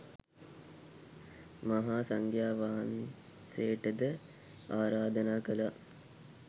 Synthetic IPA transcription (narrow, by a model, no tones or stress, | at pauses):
mɐɦaːsɐŋkʰjaːʋaːan | seːʈəd̪ə | aːɾaːd̪ənaːkəla